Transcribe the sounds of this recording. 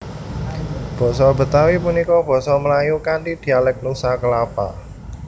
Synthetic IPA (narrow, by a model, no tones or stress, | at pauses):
b̥ɔ̤sɔbə̤t̪awipunikɔb̥ɔ̤sɔməlajukanid̪̥i̤alɛk̚nusakəlapa̰